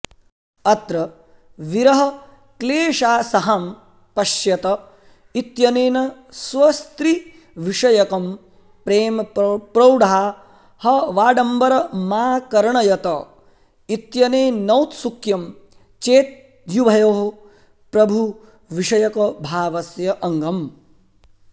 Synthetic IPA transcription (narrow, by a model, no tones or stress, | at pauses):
ɐt̪ɾɐ | ʋiɾɐɦɐ̆ | kleːʂaːsɐɦɐm | pɐʃjɐt̪ɐ | it̪jɐneːnɐ | sʋɐst̪ɾi | ʋiʂɐjɐkɐm | pɾeːmɐpɾɐwɖaa | hɐʋaːɖɐmbɐɾɐmaːkɐɾɐɳɐjɐt̪ɐ | it̪jɐneːnɐwt̪sukjɐm | t͡ʃeːt̪̚ | jubʱɐjoːɦɐ | pɾɐbʱu | ʋiʂɐjɐkɐbʱaːʋɐsjɐʔɐŋɡɐm